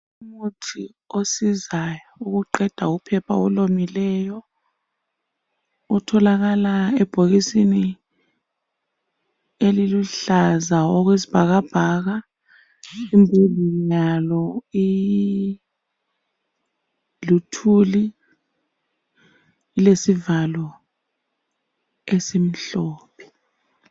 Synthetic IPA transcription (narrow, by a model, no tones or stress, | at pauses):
umutʰi | osizajɔuk̬uǃɛd̥ʱaupʰɛpʰa̰ɔlomilɛːjɔ | utʰɔlaɣ̬alaɛb̥ʱoɣ̬isini | eliluɬazaɔk̬wezi̥b̥ʱaɣ̬ab̥ʱaːɣ̬a | imbʱudijalɔi | lutʰuli | lesivalɔ | esim̩ɬɔːpʰɛ̥